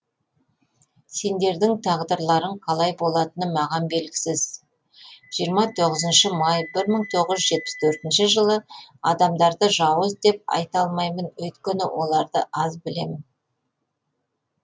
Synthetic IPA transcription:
se̞nd̪e̞ɾd̪ɪŋt̪ʰɑʁd̪əɾlˠɑɾəɴqʰɑlˠɑjbo̞lˠɑt̪ənəmɑʁɑnbe̞lɡʲɪ̥sɪz̥ | ʒ̥ijəɾmɑt̪ʰo̞ʁəzənʃəmɑjbɪɾməɴt̪ʰo̞ʁəʒʒʒe̞t̪̚pɪ̥st̪ʰɵɾt̪ɪnʃɪʒəlˠəɑd̪ɑmd̪ɑɾd̪əʒɑwəzd̪e̞p̚ɑ̰jt̪ɑlˠmɑjmənwɵt̪kʲenɪwʔo̞lˠɑɾd̪əʔɑzbɪle̞̰mɪn

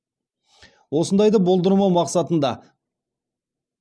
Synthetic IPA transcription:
wo̞sənd̪ɑjd̪ɑbo̞lˠd̪əɾmɑwmɑqsɑt̪ənd̪ɑ

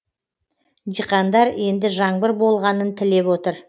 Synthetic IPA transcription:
d̪ijqɑnd̪ɑɾe̞nd̪ɪʒɑɴbəɾbo̞lˠʁɑnənt̪ʰɪle̞pwo̞t̪əɾ

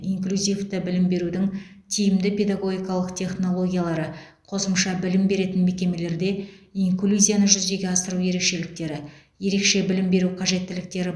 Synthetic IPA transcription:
iŋklʲuzʲift̪əbɪlɪmbe̞ɾud̪ɪŋ | t̪ʰijɪmd̪ɪpʲe̞d̪aɡo̞ɡʲijkɑlˠəqt̪ʰe̞χno̞lˠo̞ɡʲijalˠɑɾə | qʰo̞səmʃɑbɪlɪmbe̞ɾe̞t̪ɪnme̞kʲe̞me̞le̞ɾd̪e̞iŋklʲuzʲijanəʒʏzd̪e̞ɡʲe̞ɑsəɾuje̞ɾe̞kʃe̞lɪk̚t̪e̞ɾɪ | je̞ɾe̞kʃe̞bɪlɪmbe̞ɾuqʰɑʒe̞t̪ːɪlɪk̚t̪e̞ɾɪ

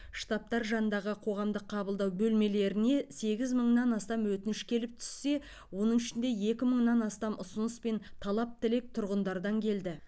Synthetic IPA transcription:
ʃt̪ɑp̚t̪ɑɾʒɑnənd̪ɑʁəqʰo̞ʁɑmd̪əqʰːɑbəlˠd̪ɑwbɵlme̞le̞ɾɪne̞se̞ɡʲɪzməɴnɑnɑst̪ɑmwɵt̪ɪnɪʃkʲʰe̞lɪp̚t̪ʰʏ̥sːe̞ | wo̞nəɴɪʃɪnd̪e̞je̞kʲɪməɴnɑnɑst̪ɑmʔʊsʊnəspe̞nt̪ʰɑlˠɑp̚t̪ʰɪle̞k̚t̪ʰʊɾʁənd̪ɑɾd̪ɑŋkʲʰe̞ld̪ɪ

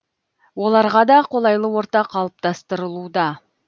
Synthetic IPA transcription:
wo̞lˠɑɾʁɑd̪ɑqʰo̞lˠɑjlˠəwo̞ɾt̪ɑqʰːɑlˠəp̚t̪ɑst̪əɾəlˠud̪ɑ

